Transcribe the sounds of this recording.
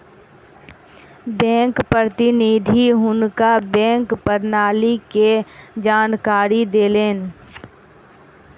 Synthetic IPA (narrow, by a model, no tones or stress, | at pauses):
bɛ̃ːŋkpɾɾət̪ɪniːd̪ʱiɦʊnkabɛ̃ːŋkpəɾnaːliked͡ʒaːnkaːɾid̪eːleːn